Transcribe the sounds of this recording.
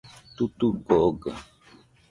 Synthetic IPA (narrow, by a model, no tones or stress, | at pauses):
t̪ut̪ukoɡa